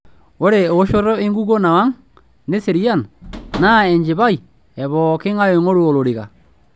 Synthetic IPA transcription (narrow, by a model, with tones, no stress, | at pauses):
o˦ɾe˨o˨˦ʃo˦ɾɔ˦e˦ŋɡu˦ɣo˦na˨wa˦ŋ | ne˦se˨ɾi˦a˦˨nna˦˨ɛ˨ɲd͡ʒe˨βa˦i˨ | ɛ˨βɔ˨ke˦ŋa˦jo˨ŋo˦ɾu˦o˨lo˨ɾi˨ɣa̰˨